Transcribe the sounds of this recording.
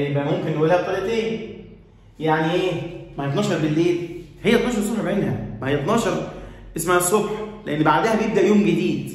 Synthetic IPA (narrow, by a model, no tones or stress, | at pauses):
jebʔæmomkenwælæːt̪ˤɑlet̪eːn | jaʕniʔeːmæhæt̪nɑːʃɑɾˤbelːeːt̪ | hejːæt̪nɑːʃ̬ɑɾˤsˤoħbeʔenhæ̰mæhejːæt̪nɑːʃɑɾˤʔesmæhæsˤːobħleʔenːbaʕd̪æhæbejebd̪æʔjoːmɡed̪iːd̪